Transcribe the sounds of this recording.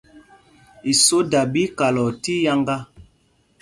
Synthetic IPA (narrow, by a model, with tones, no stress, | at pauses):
i˨so˦da˨bi˦ka˨lɔ˨ti˦ja˦ŋɡa˦